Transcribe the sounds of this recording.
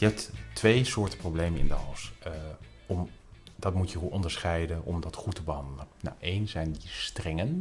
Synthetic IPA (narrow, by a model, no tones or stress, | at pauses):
jəɦɛp̚ttʋejsʊːɹtə̥prowblejmənɪ̰ndəɑ̰ws | ɔmdɑtmutjəuʔɔndəɹsχɛjdənʔɔ̰mdɑtχutəbəɦɑndələnna̰wʔejnzɛjndistrɛŋən